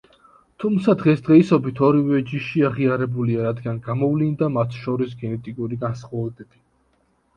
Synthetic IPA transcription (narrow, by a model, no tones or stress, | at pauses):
t̪ʰumt̪sʰad̪ʁɛsd̪ʁɛisɔbit̪ʰɔɾivɛd͡ʒiʃiaʁiaɾɛbuliaɾad̪ɡanɡamɔvlind̪amat̪ʰʃɔɾisɡɛnɛt̪ʼikʼuɾiɡansχwaɛd̪ɛbi